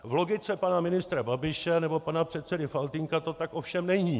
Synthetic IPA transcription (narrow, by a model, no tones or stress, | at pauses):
vlo̞ɡɪt͡sɛpanamɪnɪst̪ɾababɪʃɛnɛbo̞panapr̥ɛt̪t͡sɛdɪfalt̪ɪŋkat̪o̞t̪akʔofʃɛmnɛɲiː